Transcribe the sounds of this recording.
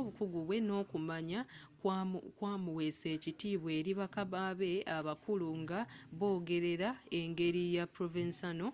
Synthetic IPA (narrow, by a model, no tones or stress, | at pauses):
oβukuɡuβwe̞no̞ːkumaɲakkwaːmuwe̞se̞ːcitiːβwe̞ːɾiβakaβaβe̞aβakuluŋɡaβo̞ːɡe̞ɾe̞ɾae̞ŋɡe̞ɾijapɾovinsano̞